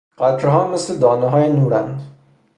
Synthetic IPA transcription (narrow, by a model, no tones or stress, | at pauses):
ɢæt̪ʰɾɦɒːmesled̪ɒːneɦɒːjenuːɾænd̪